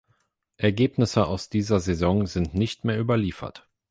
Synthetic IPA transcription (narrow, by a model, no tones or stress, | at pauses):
ʔɛɐɡeːpnɪsəaʊsd̥iːzɐzezɔŋzɪntnɪçtmeːɐʔyːbɐliːfɐ̰t